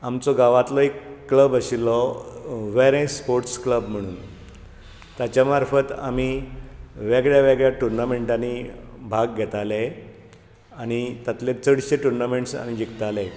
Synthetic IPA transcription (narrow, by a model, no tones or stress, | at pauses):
amt͡sɔɡaʋat̪lɔekːləbəɕilɔ | ʋeɾẽspoɾʈskləbm̤əɽ̃uːn | t̪jat͡ɕjamaɾfət̪a̰mi | ʋeɡɭjaʋeɡɭjaʈuɾnameɳʈanibʱaɡɡʱɛt̪ale | aɽ̃it̪jat̪let͡səɽɕeʈuɾnameɳʈsa̰ñid͡ʑikt̪ale